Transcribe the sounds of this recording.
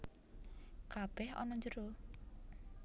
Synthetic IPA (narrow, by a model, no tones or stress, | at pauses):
kab̥ɛhɔ̰nɔɲd͡ʒəɾo